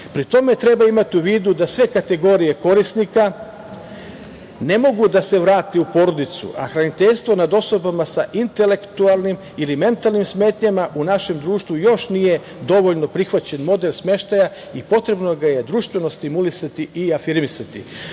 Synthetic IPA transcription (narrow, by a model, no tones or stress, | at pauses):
pɾit̪o̞me̞t̪ɾe̞baimat̪iuʋiːd̪ud̪asʋe̞kat̪e̞ɡo̞ːɾije̞ko̞ɾisnika | ne̞mo̞ɡud̪ase̞ʋɾaːt̪eupo̞ɾo̞d̪it̪sṵʔa̰xɾanit̪eʎst̪ʋo̞nad̪o̞so̞bamasaʔint̪e̞le̞kt̪ualˠnim | ilime̞nt̪alˠnimsmeːt̪ɲamaʔunaʃe̞md̪ɾuːʃt̪ʋujo̞ʃnije̞ | d̪o̞ʋo̞ʎno̞pɾixʋat͡ɕe̞nmo̞d̪e̞lsme̞ʃt̪aja | ipo̞t̪ɾe̞bno̞ɡaje̞d̪ɾuʃt̪ʋe̞no̞st̪imulisat̪iʔiafiɾmisat̪ḭ